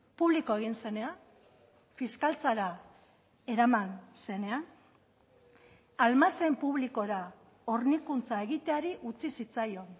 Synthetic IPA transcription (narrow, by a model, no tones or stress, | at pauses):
puβliko̞e̞ɣ̞inse̞ne̞a | fiskalt͡saɾa | e̞ɾamanse̞ne̞an | almase̞mpuβ̞liko̞ɾa | o̞ɾnikunt͡sae̞ɣit̪eaɾiʔut͡sisit͡sajo̞n